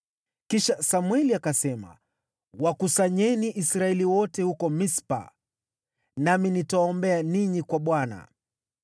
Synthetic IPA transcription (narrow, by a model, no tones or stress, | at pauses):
kiʃasamuɛliakasɛma̰ | wakusaɲɛniʔisɾaɛliwɔtɛhukɔmispa̰ | naminitawaɔmbɛaniɲikwaɓwana̰